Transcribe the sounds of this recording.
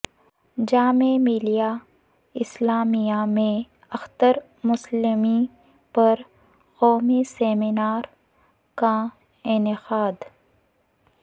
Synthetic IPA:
d͡ʒaːmemɪlija | ɪslaːmijamẽ | ɐxt̪əɾ | mʊslɪmi | pɐɾ | qoːmeseːmɪnaːɾ | ka | ɪnɪqaːd̪

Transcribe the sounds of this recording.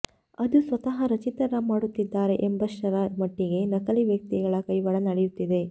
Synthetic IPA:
ɐd̪usʋɐt̪ɐɦɐɾɐt͡ʃit̪ɐɾɐmaːɽut̪ːid̪ːaːɾe̞ʔembɐʃɐɾɐmɐʈːiɡe̞nɐkɐliʋjɐk̚t̪iɡɐɭɐkɐjʋɐɭɐnɐɽejut̪ːid̪e̞

